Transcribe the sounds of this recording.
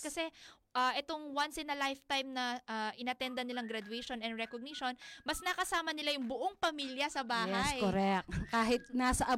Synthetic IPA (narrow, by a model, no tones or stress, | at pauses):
kɐsɛ | ʔɐʔɛt̪o̞ŋwansɪnːɐlajft̪ajmnɐʔaʔɪnɐt̪ɛnd̪ɐnɪlaŋɡɾɐd̪ʊɛjʃonɛnd̪ɾɛkoɡ̚niʃo̞nmɐsnɐkɐsaːmɐnɪlajʊŋbʊʔo̞ŋpɐmiljɐsɐbaːjhɛsjkoɾɛkkaːɦɪt̪̚naːsɐʔɐ